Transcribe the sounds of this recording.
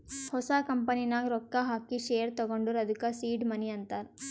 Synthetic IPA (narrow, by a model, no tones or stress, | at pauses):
hɔsakɐmpɐninaːɡɾɔkːaɦaːkiʃeːɾt̪ɐɡoɳɖuɾɐd̪ʱukasiːɖmɐniɐnt̪aːɾ